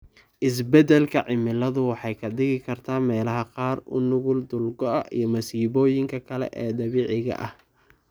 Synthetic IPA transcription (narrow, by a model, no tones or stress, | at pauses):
ʔɪs̬bɛd̪ɛlkʰɐʕɪmɪlɐðʊwɑħɑjkʰɐd̪ɪɣɪkʰɐrt̪ʰaːmɛːlɐɦɐqɑːrʊ̰nʊɣʊld̪ʊlɡɔɐʔḭjɞmɐsiːβɔːjɪŋkʰɐkʰɐlɛ̰ʔɛːd̪ɐβeːʕɪɣɐ̰ʔɐh